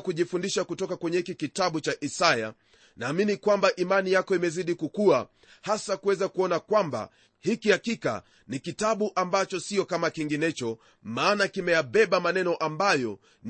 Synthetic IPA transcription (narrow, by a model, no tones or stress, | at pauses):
kuʄifundiʃakutɔkakwɛɲɛhikikitaɓut͡ʃaʔisaja̰ | naːminikwambaʔimanijakɔimɛziɗikukua | hasakuwɛzakuɔnakwamba̰ | hikihakika̰ | nikitaɓuʔambat͡ʃɔsiɔkamakiŋɡinɛt͡ʃɔ | maːnakimɛjaɓɛɓamanɛnɔʔambajɔ | n